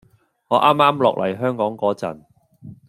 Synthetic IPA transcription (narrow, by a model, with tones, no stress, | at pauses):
ŋɔː˨˧ʔaː˥mːaː˥mlɔː˨k̚lʔɐ̰˨˩jɦœː˥ŋkɔː˨˥ŋkɔː˨˥t͡sɐ̰˨˩n